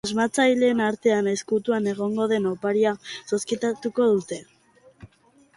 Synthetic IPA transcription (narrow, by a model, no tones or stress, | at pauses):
azmat͡sajle̞ːnaɾt̪e̞aneskut̪uane̞ɣ̞o̞ŋɡo̞ðe̞no̞paɾiasoskit̪at̪uko̞ð̞ut̪e̞